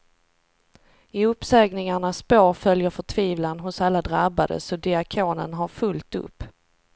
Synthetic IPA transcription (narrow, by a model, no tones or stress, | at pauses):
ɪɵpsɛːɡnɪŋaɳaspoːɾfœljəɾfœʈʰviːvlanɦʊsalːad̪ɾabːad̪ə̰sɔd̪ɪakʰoːnənɦaɾfɵlt̪ɵ̰pː